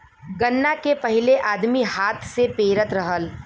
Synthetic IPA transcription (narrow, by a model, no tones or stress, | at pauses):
ɡɐnːakepɐɦɪleʔaːd̪mihaːt̪ʰsepeːɾət̪ɾɐɦəl